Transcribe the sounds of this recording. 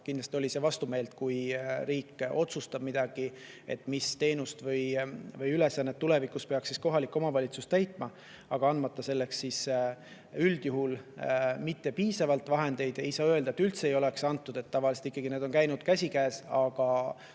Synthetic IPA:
kind̪lɑst̪io̞lʲise̞vɑst̪ume̞ːlt̪̚kujɾiːkːo̞t̪sust̪ɑb̥̚mid̪̥ɑɡ̥i | e̞̰t̪ːˑmist̪e̞ːnust̪vɤjvɤjyle̞sɑnːet̪ːule̞vikːuspe̞ɑksːisko̞ɦɑlikːˑomɑvɑlʲit̪sust̪æjt̪ːˑmɑ | ɑɡ̥ɑɑnd̪mɑt̪ːˑɑse̞lːe̞ksis | yld̪̥juɦulmit̪ːe̞piːsɑvɑlt̪vɑɦe̞nd̪̥e̞jd̪̥e̞jsɑːø̞ld̪ɑet̪ːylt̪se̞jo̞le̞ksɑnt̪ːˑud̪̥e̞t̪ːɑvɑlise̥t̪ikːɑɡ̥ine̞ːd̪o̞nkæjnud̪̥kæsʲikæːsɑɡ̥ɑ

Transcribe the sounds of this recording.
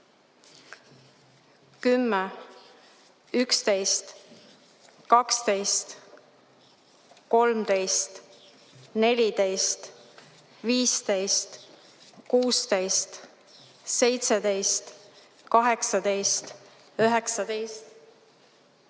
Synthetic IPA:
kymːɛ | ykst̪e̞jst̪ | kɑkst̪e̞jst̪ | ko̞lmt̪e̞jst̪ | ne̞lʲid̪e̞jst̪ | viːst̪e̞jst̪ | kuːst̪e̞jst̪ | se̞jt̪sed̪e̞jst̪ | kɑɦe̞ksɑd̪̥e̞jst̪ | yɦeksɑd̪̥e̞jst̪

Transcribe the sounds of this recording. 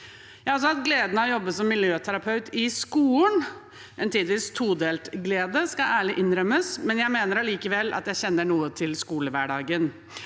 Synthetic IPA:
jɑːɑlsɔɑt̪ɡleːd̪ənəɔjɔbːəsɔmːɪljøːt̪ʰæɾɑpʰɑʉt̪ɪskuːən | ʔɛnt̪ʰiːd̪ɪʋiːst̪ʰuːd̪eːlt̪ɡleːd̪əskɑæːɭɪʔɪnːɾœmːəsmɛnjæɪmeːnəɾɑliːkəʋɛlːɑ̰t̪jæɪçɛnːəɳuːət̪ʰɪlskuːləʋæɖɑːɡən

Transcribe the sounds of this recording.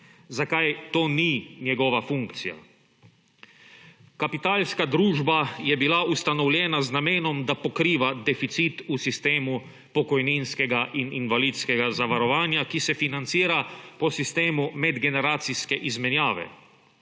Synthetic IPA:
zakajt̪oːninjɛɡɔʋafuŋkt̪sija̰ | kapit̪aːlskad̪ɾuːʒbajɛbilaust̪anɔwljɛːnaznameːnɔmd̪apɔkɾiːʋad̪ɛfit̪sit̪usist̪eːmu | pɔkɔjninskɛɡaʔininʋaliːt̪skɛɡazaʋaɾɔʋaːnjakisɛfinant̪siːɾapɔsist̪eːmumɛd̪ɡɛnɛɾaːt̪siskɛʔizmɛnjaːʋɛ̰

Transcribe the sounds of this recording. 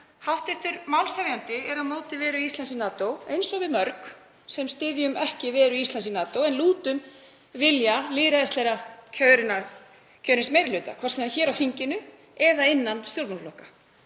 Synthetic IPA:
hawht̪ɛft̪ʏɾmawlsavjawnt̪ɪɛɾaðmoːwt̪ɪvɛːɾʏist̪ansinaːt̪owejnsɔɣvɪðmœɾk | sɛmst̪ɪːðjʏmɛhcɪvɛːɾʏist̪ansinaːt̪owɛnluːt̪ʏm | vɪljaliːɾaðɛst̪lɛjɾacʰœːɥɾɪna | cʰœːɾɪnsmeːjɾɪlʏːt̪a̰kʰvɔrsiançɛːɾawθiɲcɪnʏ | ɛðaɪnːansθjolp̪napflɔhkḁ

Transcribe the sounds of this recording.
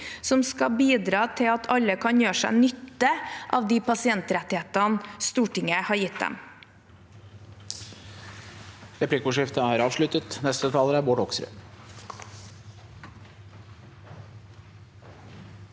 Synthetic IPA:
sɔmskɑbiːd̪ɾɑːt̪ʰɪlɑt̪ʰɑləkʰɑnjøːʂæ̰ɪnʏt̪ːəʔɑːʋd̪iːpɑsɪɛnt̪ɾɛt̪ɪheːt̪ɑnst̪uːʈɪŋəhɑɾjɪt̪̚d̪ɛ̰m | ɾɛpʰlɪkʊʂɪft̪əæːɾɑːʋʂlʉt̪ət̪nɛst̪ət̪ʰɑːləɾæbɔːɖɔksɾø̰

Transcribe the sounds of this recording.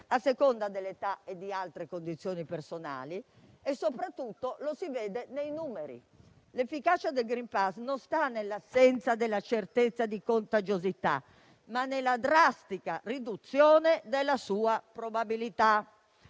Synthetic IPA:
asːekond̪ad̪elːet̪aed̪ːialt̪ɾekond̪it̪sːjoːnipersona̰ːli | ɛsːopɾat̪ːut̪ːolosivɛːd̪ɛnejnuːmeɾḭ | lefːikaːt͡ʃad̪elɡɾimpasnõnst̪anːelːasːɛnt̪sad̪ɛlːat͡ʃert̪et̪sːad̪ikont̪ad͡ʒozit̪a̰ | manːelːad̪ɾast̪ikarid̪ut̪sːjɔːnɛd̪elːasuːapɾobabilit̪a

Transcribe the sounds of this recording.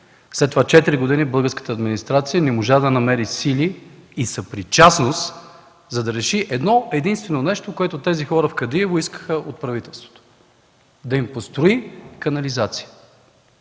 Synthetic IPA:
slɛt̪ːovat͡ʃɛt̪iɾiɡod̪inibɤlˠɡəɾskə̥t̪əɐd̪minist̪ɾat̪sijənɛmoʒad̪ɐnɐmɛɾisiliːsɐpɾit͡ʃasnost̪ | zɐd̪ɐɾɛʃiʔɛd̪nɔɛd̪inst̪vɛnonɛʃt̪okoɛt̪ʊt̪ɛzixɔɾəfkɐd̪iɛvoiskə̥xəʔot̪̚pɾɐvit̪ɛlˠst̪vo̥t̪o̥ | d̪ɐimpost̪ɾoikɐnɐlizat̪si̥jə

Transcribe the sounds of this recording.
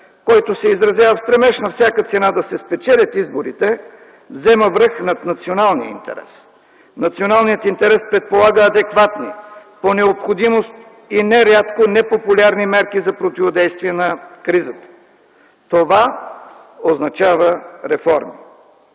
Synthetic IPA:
kɔjt̪osɛizɾɐzjavəfst̪ɾɛmɛʃnɐfsʲjakət̪sɛnad̪ɐsɛspɛt͡ʃɛlʲət̪izboɾit̪ɛ | vzɛməvɾɤxnɐt̪nɐt̪sionalˠniə̰ḭnt̪ɛ̰ɾɛ̰s | nɐt̪sionalˠnijət̪int̪ɛɾɛspɾɛt̪̚polˠaɡəːd̪ɛkvat̪niponɛopxod̪imost̪ | inɛɾʲat̪konɛpopʊlʲaɾnimɛɾkizɐpɾot̪ivod̪ɛjst̪viɛnɐkɾizət̪ə̥ | t̪ova | oznɐt͡ʃavəɾɛfɔɾmḭ

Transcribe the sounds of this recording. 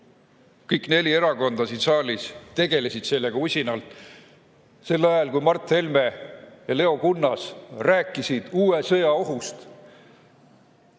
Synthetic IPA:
kɤjkne̞lʲie̞ɾɑko̞nd̪̥ɑsid̪sɑːlʲist̪e̞ɡe̞le̞sid̪̥se̞lːe̞ɡ̥ɑusʲinɑlt̪ˑ | se̞lːɑjɑlkujmɑrt̪ːˑhe̞lme̞jɑle̞o̞kunːɑsræːkːˑisid̪̥uːesɤ̞jɑo̞ɦust̪

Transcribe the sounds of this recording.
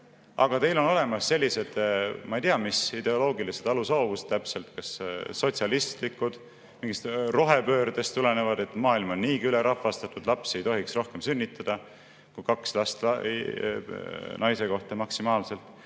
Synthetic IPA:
ɑ̰ɡ̥ɑt̪e̞jlo̞no̞le̞mɑsːelʲːise̞d̪̥mɑejt̪iɑmisid̪̥e̞o̞lo̞ːɡilise̞d̪̥ɑlusɑːvust̪ːæpse̞lt̪kɑsːo̞t̪ʲsʲjɑlist̪likːˑud̪̥ | miŋɡist̪ro̞ɦe̞pø̞ːɾɑd̪̥e̞st̪ːule̞ne̞vɑd̪̥e̞t̪ːˑmɑːilmonniːkyleɾɑfːɑst̪ɑt̪ˑud̪̥lɑpse̞jt̪o̞ɦiksro̞hke̞msynʲːit̪ˑːɑd̪̥ɑ | kujkɑkslɑst̪lɑ̰ | nɑjse̞ko̞ht̪ɑmɑksimɑːlse̞lt̪ˑ

